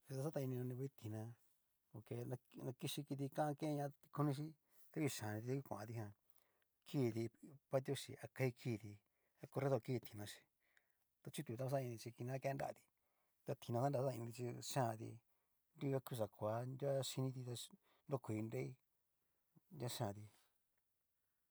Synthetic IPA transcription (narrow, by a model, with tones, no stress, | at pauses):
i˧a˧˦sa˦t̪a˧i˧nĩ˧õ˧nĩ˧e˧˦t̪i˨nã˧ | o˧ke˧nã˧nã˧ki˧ʃi˧ki˧t̪̬i˧kã˦ã˧ke˦˧ɲã˧i̥˧kʰu˧nĩ˧ʃ̬i˦ | t̪a˦βi˧ʃã˨nĩ˧i˧t̪a˦ki˧kʷã˨ã̰˧t̪i˧hã˧ | kʰiː˦˨t̪i˧pa˦t̪̬ʲo˦ʃḭ˧˨a˧ka˧i˧kʰiː˦˧˨t̪i˧ | a˧ko˧ɾe˦ðo˧ki˦˧t̪ʰi̥˨nã˧ʃi̥˧ | t̪a˧t͡ʃu˦t̪u˨˧t̪a˦˧a˧s̬a˦˧ĩ˧i˧t͡ʃi˧ki˧nã˧˦ke˧˦nda̰˦˨a̰˧t̪i̥˧ | t̪a˧t̪ʰi˧nã˧a˦nda˧˦a˦˧ĩ˧t̪i˧t͡ʃi˧ʃã˦˨˧t̪ḭ˧ | nɾu˦ka˧ku˦˧ʂ̬a˨kʰʷa˨˧˦ndʲa˦ʃi˧nĩ˧t̪i˧t̪a˧ | ndo˦˧kʷi˨˧nɾe˦i˦ | nʲa˦˧ʃã˧˨t̪i˧